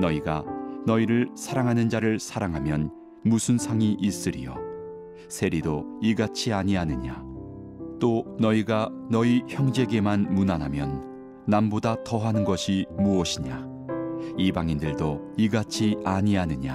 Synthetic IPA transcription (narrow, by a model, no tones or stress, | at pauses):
nʌiɡa̰nʌiɾɯɭsʰaɾaŋɦanɯnd͡ʑaɾɯɭsʰaɾaŋɦamjʌn | musʰɯnsʰaŋiʔis͈ɯɾḭjo̰ | sʰe̞ɾidoiɡat͡ɕʰiaɲianɯɲa | t͈onʌiɡanʌiçjʌŋd͡ʑe̞ɡe̞manmunanɦamjʌnː | ambodatʌɦanɯnɡʌɕʰimuʌɕʰiɲa | ibaŋindɯɭdo | iɡat͡ɕʰiaɲianɯɲa